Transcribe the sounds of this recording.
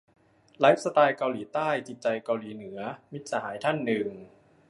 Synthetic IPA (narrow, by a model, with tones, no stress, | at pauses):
la˦˥p̚sa˧t̪aː˧jka˧wliː˩˦t̪aː˥˩jt͡ɕi˨˩t̪̚t͡ɕa˧jka˧wliː˩˦nɯ˩˦ɐmi˦˥t̪̚sa˧˦ɦaː˩˦jt̪ʰa˥˩nːɯ˨˩ŋ